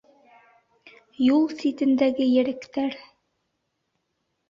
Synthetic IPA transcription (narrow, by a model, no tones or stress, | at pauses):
julˠsit̪ɘ̆nd̪æɡɘjɘ̆ɾɘ̆kt̪æɾ